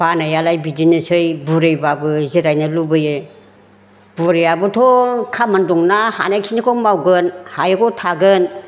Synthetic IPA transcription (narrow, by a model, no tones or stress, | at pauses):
banajalajbidinɯsʰɯjbuɾejbabɯziɾajnɯlubɯjɯ | b̥uɾejabɯtʰɔkʰamandɔŋnaha̰najkʰinikʰɔmawɡɯnhajɯkʰɔtʰaɡɯn